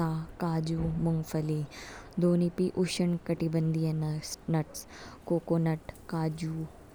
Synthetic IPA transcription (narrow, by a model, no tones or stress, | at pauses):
aːkaːd͡ʒuːmʊŋɡfɐlid̪oːnipiʔʊʃənkɐʈibə̃nd̪ijɐnnɐʈs | koːkoːnɐʈkaːd͡ʒuː